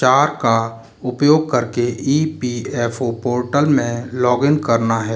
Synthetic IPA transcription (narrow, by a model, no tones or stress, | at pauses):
aːɾka | ʊpjoːɡ̚kɐɾkeʔiːpiːɛːfopoːɾʈəlmẽlɔːɡɪnkəɾnaɦɛː